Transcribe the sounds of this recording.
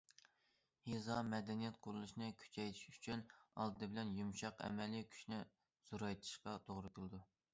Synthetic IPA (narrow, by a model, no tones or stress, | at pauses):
hezɑmɛd̪ɛnijɛt̪̚qʰoɾulˠuʃnɨkʲʰy̥t͡ʃʰɛjt̪ʰi̥ʃy̥t͡ʃʰynɑ̰lˠd̪ɨd̪ɨbɪlɛnjumʃɑqɛ̰mɛlikʲʰy̥ʃnɪ | z̥uɾɑjt̪ʰɨ̥ʃqɑt̪ʰoʁɾɨkʲʰəlˠɨd̪u